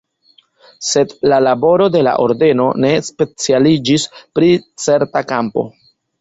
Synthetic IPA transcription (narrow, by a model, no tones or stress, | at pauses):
se̞dlalabo̞ɾo̞de̞la̰ʔo̞ɾde̞no̞ne̞spe̞t͡sialid͡ʒispɾit͡se̞ɾtakampo̞̰